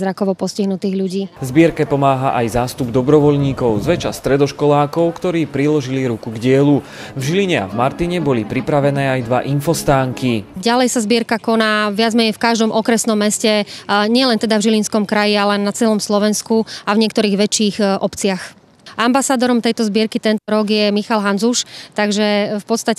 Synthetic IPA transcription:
zɾakɔʋɔpɔsciɦnut̪iːɣʎuɟiːzbɪɛɾkɛpɔmaːɦaʔajzaːst̪ubd̪ɔbɾɔʋɔʎɲiːkɔʊzʋɛt͡ʃast̪ɾɛd̪ɔʃkɔlaːkɔʊkt̪ɔɾiːpɾilɔʒiliɾukuɡɟɪɛlu | vʒiliɲɛa̰vmaɾt̪iɲɛbɔlipɾipɾaʋɛnɛːajd̪ʋaʔinfɔst̪aːŋkiɟalɛjsazbɪɛɾkakɔnaːʋɪad͡zmɛɲɛjfkaʒd̪ɔmʔɔkɾɛsnɔmːɛscɛɲɪɛlɛnt̪ɛd̪avʒilinskɔmkɾajialɛnat͡sɛlɔmslɔʋɛnskuavɲɪɛkt̪ɔɾiːɣʋɛt͡ʃːiːxɔpt͡sɪax | ambasaːd̪ɔɾɔmt̪ɛjt̪ɔzbɪɛɾkit̪ɛnt̪ɔɾɔɡjɛmixalɦanzuʃt̪aɡʒɛfpɔt̪st̪ac

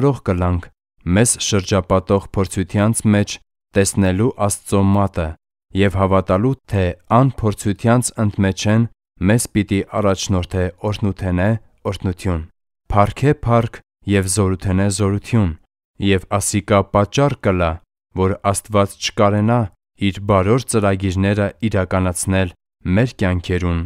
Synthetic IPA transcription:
ɾɔʁkəlɑŋkʰ | mɛzʃəɾd͡ʒɑpɑt̪ɔʁpʰɔɾt͡sʰujt̪ʰjɑnt͡sʰmɛt͡ʃʰ | t̪ɛsnɛluʔɑst͡sɔmɑt̪ə | jɛvhɑvɑt̪ɑlut̪ʰɛɑnpʰɔɾt͡sʰujt̪ʰjɑnt͡sʰənt̪mɛt͡ʃʰɛn | mɛzpit̪iʔɑrɑt͡ʃʰnɔɾt̪ʰɛɔɾʰnut̪ʰɛnɛ | ɔɾt̪ʰnut̪ʰjun | pʰɑrkʰɛpʰɑrkʰ | jɛvzɔɾut̪ʰɛnɛzɔɾut̪ʰjun | jɛvɑsikɑpɑt͡ʃːɑrkəlɑ | vɔɾɑst̪vɑt͡st͡ʃʰə̥kɑɾɛnɑ | iɾbɑɾɔɾt͡səɾɑɡiɾnɛɾəiɾɑkɑnɑt͡sʰnɛl | mɛɾkjɑŋkʰɛɾun

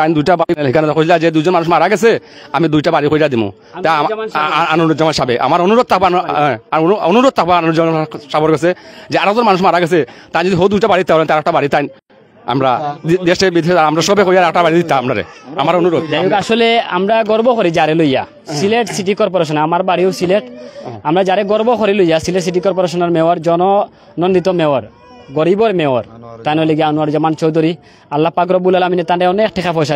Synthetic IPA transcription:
t̪ajnd̪ujʈabaɽiɛlɦikʰanɔt̪akosilad͡ʒed̪ujzɔnmanuʃmaaɾaɡɛs̬e | amid̪ujʈabaɽikoɾiɾad̪imṵ | t̪a | anuɾd͡ʒɔmanʃabeʔa̰maɾɔnuɾod̪̚t̪ʰakbaɦɛ̃aɾɔnuɾod̪̚t̪ʰakbanud͡ʒɔmaʃabɔɾɡɛs̬ed͡ʒeaɾɛk̚zɔnmanuʃmaaɾaɡɛs̬et̪aj̃nd͡ʒɔd̪iɦowd̪ujʈabaɾid̪it̪ːaɔlɛt̪eaɾɛk̚ʈabaɽit̪ajn | a̰mɾadd̪eʃebid̪eʃɔaamɾaʃɔbekoɾijaɾɛk̚ʈabaɽid̪it̪ːaamɾaɾḛamaɾonuɾod̪d̪ajukaʃɔlea̰mɾaɡɔɾbɔkʰɔɾid͡ʒaɾeloja̰ | sileʈsiʈ̬ikɔɾpɔɾaʃ̬ɔnamaɾbaɽiosileʈamɾad͡ʒaɾɛɡɔɾbɔkʰɔɾilojasileʈs̬iʈ̬ikɔɾpɔɾaʃ̬ɔnaɾmewaɾd͡ʒɔnɔ | nɔnd̪it̪ɔmɛwaɾ | ɡɔɾibɔɾmeaɾt̪ajnoleɡiaonuaɾd͡ʒɔmant͡ʃɔwd̪ʱɔɾi | alːapakɾɔbulalaminet̪anɖɛɔnek̚ʈʰɛkʰapʰɔjs̬a

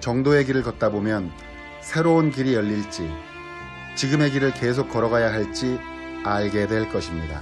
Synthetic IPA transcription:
t͡ɕʌŋdoe̞ɡiɾɯɭkʌt̚t͈abomjʌn | sʰe̞ɾonkiɾijʌʎːiɭt͡ɕ͈i | t͡ɕiɡɯme̞ɡiɾɯɭke̞sʰok̚k͈ʌɾʌɡajaɦaɭt͡ɕ͈i | aɭɡe̞dwe̞ɭk͈ʌɕʰimɲida̰

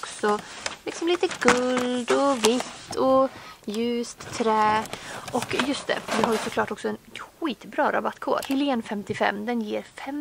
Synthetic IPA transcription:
ksɔlɪksɔmliːt̪əɡɵlld̪ɔvɪt̪ːɔjʉ̟ːst̪ʰːɾɛːʔɔkjɵst̪̚d̪ɛ̰fœdɛɦaɾjɵsɔkʰlɑːʈɔksɔɛnɧiːt̪bɾɑːɾa̰bat̪kʰo̰ːɾhɪlɪeːnfɛmt̪ɪfɛ̰mːd̪ɛnjeːɾfɛm

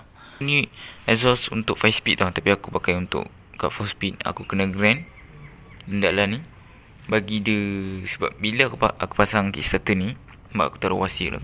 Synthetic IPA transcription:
niɛsɔsunt̪ʊʔ̚fajspit̪̚lat̪apiakupakajunt̪ʊ̰ʔ | ka̰ʔfɔspit̪̚a̰kukənaɡɾɛn | əndaʔlani | baɡidəsəba̰p̚bilakupaʔaku̥pasaŋkḭʔst̪at̪əni | mba̰ʔa̰ku̥t̪aɾo̰wasḭʔla̰

